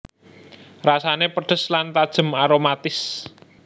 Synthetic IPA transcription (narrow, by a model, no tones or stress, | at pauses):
rasanepəɖ̥ə̤slant̪ad̥ʒ̥ə̤maɾomat̪ɪs